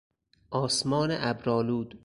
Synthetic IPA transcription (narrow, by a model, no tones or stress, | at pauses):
ʔɒːsmɒːneʔæbɾɒːluːd̪